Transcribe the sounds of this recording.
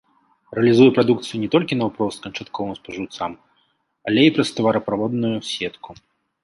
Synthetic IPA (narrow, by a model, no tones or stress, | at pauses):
ɾɛɐlʲizujɛpɾad̪ukt̪sɨjunʲɛt̪ɔlʲkʲinɐwpɾɔst̪̚kɐnt͡ʂat̪kʰɔvɨmspɐʐɨwt̪sam | ɐlʲeipɾɐst̪ɐvɐɾɐpɾavɔd̪nujusʲɛt̪kʰu